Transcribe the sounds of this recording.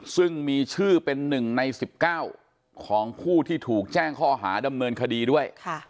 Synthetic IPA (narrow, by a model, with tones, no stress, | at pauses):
sɯ˥˩ŋmiː˧t͡ɕʰɯː˥˩pe˧nːɯ˨˩ŋna˧jsi˨˩p̚kaː˥˩w | kʰɔː˩˦ŋkʰuː˥˩t̪ʰiː˥˩t̪ʰuː˨˩k̚t͡ɕɛː˥˩ŋkʰɔː˥˩ɦa̰ː˩˦da˧mnɤː˧nkʰa˧diː˧du˥˩əjkʰa˥˩